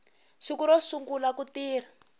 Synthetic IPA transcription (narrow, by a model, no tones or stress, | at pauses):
ʂikuɾɔsuŋɡulakutiːr̤a